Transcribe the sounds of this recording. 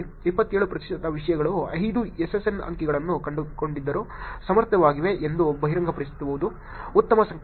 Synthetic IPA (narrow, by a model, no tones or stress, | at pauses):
ipːɐt̪ːeːɭupɾɐt̪i̥ʂɐd̪ɐʋiʂɐjɐɡɐɭuɐ̰jd̪uesesenɐ̰ŋkiɡɐɭɐnːukɐɳɖukoɳɖid̪ːɐɾusɐmɐɾt̪jɐʋaːɡiʋe̞ʔend̪ubʱɐɦiɾɐŋɡʱɐpɐɾist̪ɐbuʋud̪uː | t̪ːɐmɐsɐŋ